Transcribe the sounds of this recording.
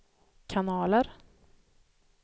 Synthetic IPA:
kʰanɑːləɾ

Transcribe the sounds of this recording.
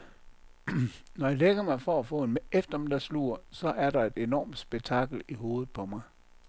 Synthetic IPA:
nɒjɑleɡ̥ɐmɑ̈ɪfɒæfɔ̰̽ːenmefd̥ɐm̩d̥ɑ̈slṵɐsɒ̽ʔæɐɾ̥ɑ̈e̝d̥e̝nɒ̰ːmd̥sb̥eɡ̥̚t͡sʰɑ̈ɡ̥l̩iɦo̝ːð̩ˠpʰɒ̽mɑ̈ɪ

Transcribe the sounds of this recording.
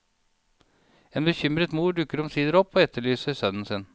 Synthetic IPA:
eːnbəçʏmɾət̪muːɖʉkəɾɔmsiːd̪əɾɔpːoːɛt̪ʰːəɭyːsəɾsœnn̩sɪn

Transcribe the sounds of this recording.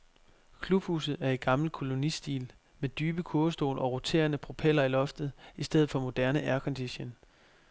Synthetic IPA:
kʰlub̥hṵːsð̩ˠæɐe̝ɡ̥ɑ̈ml̩kʰo̝lo̝nisd̥ḭːl | med̥yːb̥əkʰoːsd̥o̝̰ːlʔɒ̽ʁo̝t͡sʰe̝̰ːɐnəpʰʁo̝pʰel̰ɐilɒ̽fd̥ð̞̩ˠisd̥eð̞̩ˠfɒ̽mo̝d̥æɐnəʔæɐkʰɒ̽nd̥iɕen

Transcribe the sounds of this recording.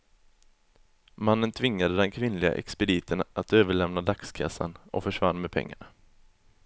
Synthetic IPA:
manːənt̪ʰvɪŋːad̪əd̪ɛnkʰvɪnlɪɡa̰ʔɛ̰kspɛd̪iːt̪ʰənat̪øːvəɭɛmnad̪akskʰa̰sːa̰nɔ̰fœʂvanːmeːd̪̚pʰɛ̰ŋːa̰ɳa

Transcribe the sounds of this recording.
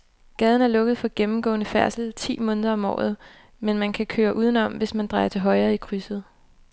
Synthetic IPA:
ɡ̥ɛːð̞ˠn̩æɐlɔ̽ɡ̥əð̞̩ˠfɒ̽ɡ̥emm̩ɡ̥ɔ̰̽ːnəfæɐsl̩t͡sʰḭːmɔ̽ːnðˠɐɒ̽mɒ̰ːð̞̩ˠ | menmænkʰækʰøːɐʔuːð̞ˠnɒ̽mʋe̝smænd̥ʁɑ̈ɪɐt͡sʰe̝ɦɒ̽ɪɐːikʰʁysð̩ˠ

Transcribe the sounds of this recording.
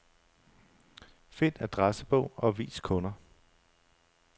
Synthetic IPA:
fe̝næd̥ʁasəb̥ɔ̰̽ʊ̰ɒ̽ʋḭːskʰɔ̽nɐ

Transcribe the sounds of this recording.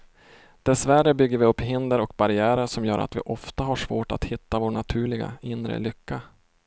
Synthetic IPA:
d̪̥ɛsværəbʏɡːəɾvɪɵpːɦɪnd̪əɾɔk̚baɾɪæːɾəʂɔmjœːɾʔa̰t̪vɪ̰ʔɔft̪aɦaʂvoːʈa̰t̪hɪt̪ːavoːɳat̪ʰʉ̟ːɭɪɡa̰ɪnɾə̰lʏkːa

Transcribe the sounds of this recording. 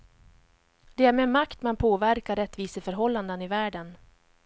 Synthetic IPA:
d̪ɛæɾmɛmakt̪manpʰoːvæɾkaɾɛt̪ːviːsəfœɾɦɔlːand̪ənɪvæːɖən

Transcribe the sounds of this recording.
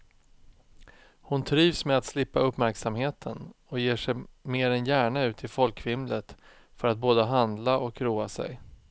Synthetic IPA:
hʊnt̪ʰɾiːvsmeat̪slɪpːaɵpːmæɾksamheːt̪ʰənɔjeːʂɛjmeːɾɛnjæːɳaʉ̟ːt̪ʰɪlfɔlkʰvɪmlət̪ | fœɾat̪̚boːd̪əɦand̪laʔɔkɾuːasɛ̰j

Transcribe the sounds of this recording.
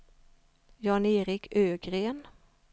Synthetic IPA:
jɑːneːɾɪkʰøːɡɾeːn

